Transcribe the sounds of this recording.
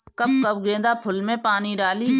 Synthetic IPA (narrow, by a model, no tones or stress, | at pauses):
kəb̚kɐbɡẽːnd̪apʰʊlmẽpaːniɖaːli